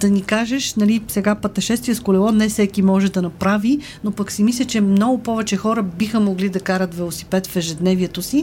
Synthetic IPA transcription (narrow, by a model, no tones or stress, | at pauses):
d̪̥ɐnikaʒɛʃnɐlisɛɡapɐt̪ɐʃɛst̪vijəskʊlɛlˠɔnɛfsɛkimɔʒɛd̪ɐnɐpɾavi | nopəksimislʲət͡ʃɛmnɔɡʊpɔvɛt͡ʃɛxɔɾəbixəmoɡlid̪ɐkaɾət̪vɛlˠosi̥pɛt̪fɛʒɛd̪nɛviɛt̪osi